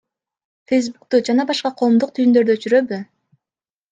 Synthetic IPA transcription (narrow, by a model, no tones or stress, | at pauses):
fejs̬bukt̪ud͡ʒɑnɑbɑʃqɑqʰo̞ːmd̪uqt̪ʰyjynd̪ø̞ɾd̪øt͡ʃyɾø̞by